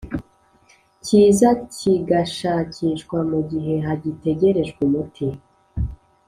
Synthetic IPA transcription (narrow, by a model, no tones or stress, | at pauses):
ciːzaciɡaʃacʰiːʃkwamuɟiɦe̞ɦaɟite̞ɟe̞ɾe̞ʒɡumutʰi